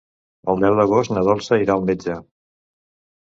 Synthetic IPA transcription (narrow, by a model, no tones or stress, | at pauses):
əlˠd̪ɛwd̪əɣost̪nəðɔlˠsəiɾaːlˠmed͡ʒə